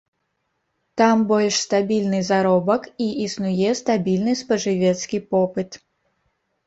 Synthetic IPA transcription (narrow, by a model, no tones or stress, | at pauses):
t̪ambɔlʲʂst̪abʲilʲnɨzaɾɔbɐkiʔisnujɛst̪abʲilʲnɨspɐʐɨvʲɛt̪skʲipɔpɨt̪